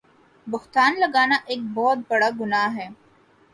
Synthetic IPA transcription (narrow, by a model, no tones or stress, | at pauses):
buht̪aːnlɐɡaːnaʔek̚bɔːt̪̚bɐɽɐɡunaːɦeː